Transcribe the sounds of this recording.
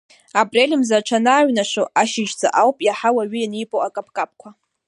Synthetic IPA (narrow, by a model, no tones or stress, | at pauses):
apʼrelʲɪmzaʈ͡ʂʰanaːɥnaʂoaʃɪʒd͡zʼa̰ʔawpʼjaħawaɥʊjanijpʼowakʼapʰʼkʼap̚ʰʼkʷʰa